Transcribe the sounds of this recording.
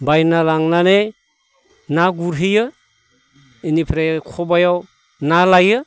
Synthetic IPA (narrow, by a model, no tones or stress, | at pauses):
bajnalaŋnane | naɡuɾɦɯjɯ | inipʰɾajkʰɔbajaw | nalajɯ